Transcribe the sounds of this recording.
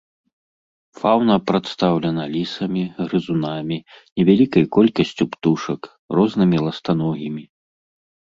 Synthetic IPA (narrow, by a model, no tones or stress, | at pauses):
fawnɐpɾat̪st̪awlʲɐnɐlʲisɐmʲiɣɾɨzunamʲinʲɛvʲalʲikɐjkɔlʲkɐsʲt͡sʲupt̪uʂɐk | rɔznɨmʲilˠɐst̪anɔɣʲimʲi